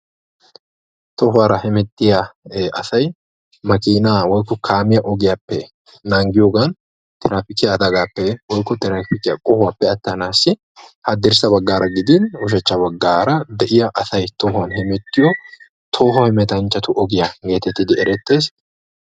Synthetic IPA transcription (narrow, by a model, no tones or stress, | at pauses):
t̪ɔɦʊaːɾɐhɛmɛt̪ːɪjaʔɐ̰sɐj | mɐkiːnaːwɔjkːɔkʰaːmɪjɐʔɔɡɪjapːɛ | naŋɡɪjoːɡɐn | t̪ʰɪɾaːfɪkɪjɐːd̪ɐɡaːpːɛwɔjkːɔt̪ɪɾaːfɪkɪjɐkʼɔhʊwaːpːɛɐt̪ːɐnaːsːɪ | hɐd̪ːɪɾsɐbɐɡːaːɾɐɡɪd̪ɪnʊʃ̬ɐt͡ʃːɐbɐɡːaːɾɐd̪ɛʔɪjɐʔɐsɐjt̪ɔɦʊɐnɦɛmɛt̪ːɪjɔ | t̪ʰoːɦɔhɛmɛt̪ɐnt͡ʃːɐt̪ʊʔɔɡɪjɐɡe̞ːt̪ɛt̪ːɪd̪ɪɛɾɛt̪ːe̞ːs